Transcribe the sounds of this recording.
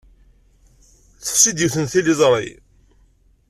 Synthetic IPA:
θə̥fsid̪jiwθənθilizˤɾˤḭ

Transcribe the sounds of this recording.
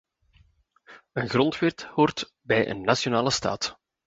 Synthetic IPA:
ənɣrɔntʋɪrthoːrt | bɛjʔə̰nːasjonaːləsta̰ːt

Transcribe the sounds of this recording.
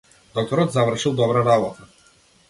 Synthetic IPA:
d̪ɔk̚t̪ɔɾɔt̪zavɾʂɨwd̪ɔbɾaɾabɔt̪ə

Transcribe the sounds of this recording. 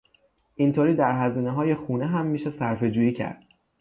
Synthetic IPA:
ʔint̪ʰoːɾiːd̪æɾɦæziːneɦɒːje̞xuːneɦæmːiːʃe̞sæɾfe̞d͡ʒuːiːcʰæ̰ɾd̪̥

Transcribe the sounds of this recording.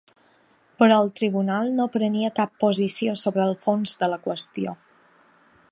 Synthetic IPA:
pəɾɔəlˠt̪ɾiβunalˠnopɾəniəkapːuzisiosoβɾəːlˠfonzdələkwəst̪io

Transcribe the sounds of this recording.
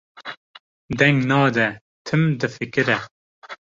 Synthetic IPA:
d̪ɛŋɡnɑːd̪ɛ | t̪ʰɨmd̪ɨfɨkɨɾɛ

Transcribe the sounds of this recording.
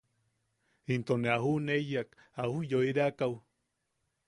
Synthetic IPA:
int̪oneahunejak | ahujoiɾeakaw

